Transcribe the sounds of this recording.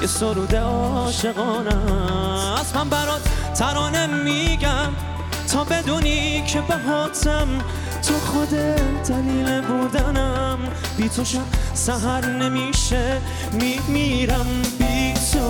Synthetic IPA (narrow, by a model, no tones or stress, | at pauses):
jesoɾuːd̪eɒːʃe̞ɣɒːnæ | smænbæɾɒːt̪ʰæɾɒːnemːiɡæm | t̪ʰɒːbe̞d̪uːnikʰebeɦɔːt̪ʰæm | t̪ʰoxod̪ed̪̥æliːleboɾd̪ænæm | b̥iːt̪ʰoʃabsæɦæɾnemiʃeː | imiːɾæmbit̪ʰo